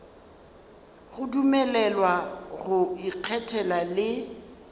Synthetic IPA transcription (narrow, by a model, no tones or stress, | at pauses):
ɣʊdumɛlɛlwaɣʊiq͡χʰɛtʰɛlalɪ